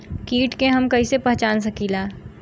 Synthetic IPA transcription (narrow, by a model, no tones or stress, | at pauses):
kiːʈkeɦɐmkɐisepɛɦt͡ʃaːns̬ɐkiːlaː